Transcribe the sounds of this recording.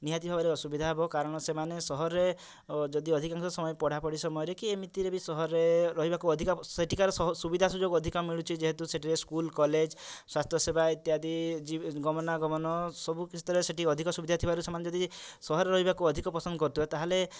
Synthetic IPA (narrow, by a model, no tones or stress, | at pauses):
niɦat̪ibʱabaɾeɔsubid̪ʱaɦebɔkaɾɔɽ̃ɔsemanesɔɦɔɾe | d͡ʒɔd̪iɔd̪ʱikaŋksɔsɔmɔjepɔɽ̤apɔɽisɔmɔjɔɾekiemit̪iɾebisɔɦɔɾeɾɔɦibakuɔd̪ʱikɔeʈʰikaɾɔsubid̪ʱasud͡ʒoɡɔd̪ʱikɔmiɭut͡ʃʰid͡ʒeɦet̪useʈiɾeskulkɔled͡ʒswast̪ʰjɔsebʱait̪jɦad̪id͡ʒiɡɔmɔnaɡɔmɔnɔsɔbʱukisʰi̥t̪ʰɔɾeseʈiɔd̪ʱikɔsubid̪ʱat̪ʰibaɾusemaned͡ʒɔd̪isɔɦɔɾeɾɔɦibakuɔd̪ʱikɔpɔsɔnd̪ɔkɔɾt̪uɔt̪aɦale